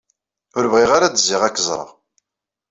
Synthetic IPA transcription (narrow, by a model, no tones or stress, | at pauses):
ʊɾəvʁiʁaɾad̪əzːiʁækːəzˤɾˤɑ̰